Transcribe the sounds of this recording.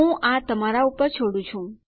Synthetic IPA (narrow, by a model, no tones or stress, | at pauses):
ũʔat̪əmaɾaupəɾt͡ʃʰoɽũt͡ʃʰũ